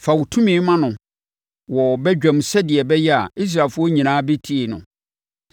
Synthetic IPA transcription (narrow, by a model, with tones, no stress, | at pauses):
fa˨wu˨tʰũ˦mɪ̃ː˨˦mã˦nʊ̃˨ | wɔ˨bɛ˦d͡ʑᶣɛ̃˨msɛ˦dɪ˨ɛ˨bɛ˦jɛ˦a̰˨i˦s̬ɾaː˨lfʊ˦ɔ˦ɲĩ˨nãː˦be˦tʰi˦e˨nʊ̰̃˨